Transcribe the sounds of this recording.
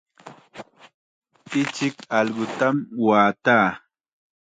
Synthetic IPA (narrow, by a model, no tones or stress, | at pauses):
ɪt͡ʃɪkɑʎɢʊt̪amwaːt̪aː